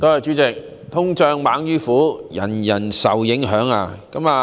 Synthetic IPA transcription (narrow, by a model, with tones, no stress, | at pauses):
t̪o˥˧ɐ˨jt͡ʃy˨˥t͡sɪ˨k̚ | t̪ʰʊ˥ŋt͡ʃœː˧ŋmaː˨˥ŋjyː˥fuː˨˥jɐ̰˨˩njɐ˨˩nsɐ˨wjɪ˨˥ŋɦœː˨˥ŋa̰ː˧kɐ˨˥maː˨˧